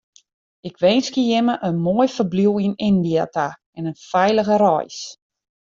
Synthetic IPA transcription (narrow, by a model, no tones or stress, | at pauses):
ɪkʰʋeːnskijɪməʔənmoːjfəbluwinɪndiata | ɛnənfɛjləɣəɾɔ̰js